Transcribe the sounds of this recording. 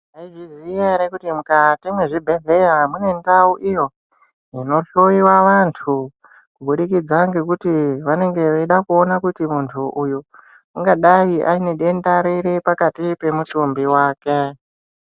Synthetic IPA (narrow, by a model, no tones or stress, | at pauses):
aiʐizijanekutimukatimweʐibʱe̞ɮe̞jamwune̞ndauʔijo̞ | ino̞ɬoiwaʋantʰu | kuɓuɗikid͡zaŋɡe̞kutiʋane̞ŋɡe̞ʋeiɗakuo̞nakutimuntʰuʔuju | uŋɡaɗaiʔaineɗe̞ndaɾiɾepakatipe̞mutumbiwaːke̞